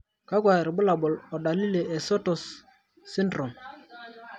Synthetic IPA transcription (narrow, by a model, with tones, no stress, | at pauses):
ka˦kwa˨ɾɪ˨bʊ˦la˨bɔ˨lɔ˨ɗa˨li˦le˨ʔe˨so˦tɔ˨sː | i˦ndɾo˨n